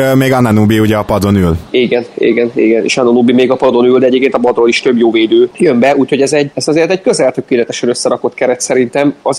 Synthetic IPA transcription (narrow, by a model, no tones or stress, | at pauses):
meːɡɒnɛnuːbiuɟɛɒpɒd̪o̞nyliːɡɛnḭːɡɛnḭːɡɛnḛːʃɒnonuːbimeːɡɒpɒd̪o̞nyld̪ɛɟeːpkeːnt̪ɒbɒd̪roːliʃt̪ø̞bjoːveːd̪øːjø̞mbɛuːcho̞ɟɛzɛɟɛsɒzeːrt̪ɛɟkøzɛlt̪ø̞keːlɛt̪ɛʃɛnøsːɛɾɒko̞t̪kɛɾɛt̪sɛɾint̪ɛmɒz